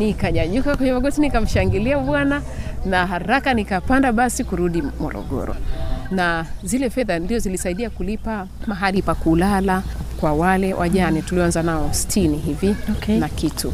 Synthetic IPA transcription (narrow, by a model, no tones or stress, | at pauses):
nikaɲaɲukakwɛɲɛmaɡɔtinikam̩ʃaŋɡiliaɓwana | naɦaɾakanikapandaɓasikuɾuɗimɔ̰ɾɔ̰ɠɔ̰ɾɔ̰nazilɛfɛðandiɔzilisaiɗiakulipa | maɦalipakulalakwawalɛwʔa̰ʄanituliɔanzanaɔsi̥tʰiniɦivinakitu